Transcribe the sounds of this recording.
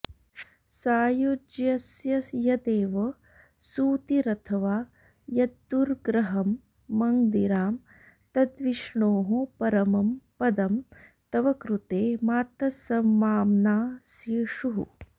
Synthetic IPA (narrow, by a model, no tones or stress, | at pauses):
saːjod͡ʒjɐsjɐjɐd̪eːʋɐ | suːt̪iɾɐt̪ʰɐʋaː | jɐd̪ːuɾɡɾɐɦɐmː | ɐŋd̪iɾaːm | t̪ɐd̪ʋiʃɳoːɦupɐɾɐmɐmpɐd̪ɐmt̪ɐʋɐkɾut̪eːmaːt̪ɐsɐmːaːmnaːsjiːʂuɦṵ